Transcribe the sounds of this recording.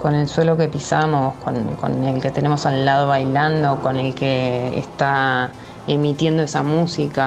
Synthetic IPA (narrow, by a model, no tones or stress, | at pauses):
ko̞ne̞lswe̞lo̞ke̞pisamo̞sko̰nko̞̰nelke̞t̪enemo̞salːað̞o̞βajland̪o̞ko̞ne̞lkḛːst̪a | emit̪je̞nd̪oesamusika